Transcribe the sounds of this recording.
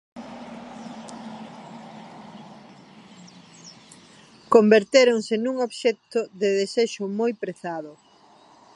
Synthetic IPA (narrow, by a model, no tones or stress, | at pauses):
kombeɾt̪eɾoŋsɪnuŋoβʃɛt̪ʊðeðeseʃʊmojpɾeθaðʊ